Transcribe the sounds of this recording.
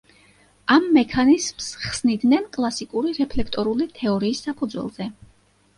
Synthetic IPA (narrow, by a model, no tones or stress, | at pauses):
amːɛkʰanizmsχsnid̪nɛnkʼlˠasikʼuɾiɾɛpʰlɛkʰt̪ʼɔɾulit̪ʰɛɔɾiːsːapʰud̪zwɛ̰lˠz̥ɛ